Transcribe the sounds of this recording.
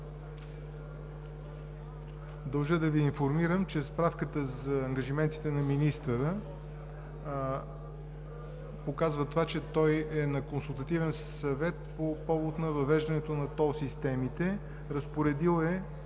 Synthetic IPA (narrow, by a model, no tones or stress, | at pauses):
d̪ɐlˠʒəd̪ɐviːnfoɾmiɾəmt͡ʃɛspɾafkət̪əzɐːŋɡəʒimɛnt̪i̥t̪ɛnɐminist̪əɾə | pokazvət̪vat͡ʃɛt̪ɔjɛnɐkonsulˠt̪ɐt̪ivɛnssɐvɛt̪̚popɔvot̪nɐvɐvɛʒd̪ɐnɛt̪onɐt̪ɔsist̪ɛmit̪ɛ | ɾɐspoɾɛd̪ilˠɛ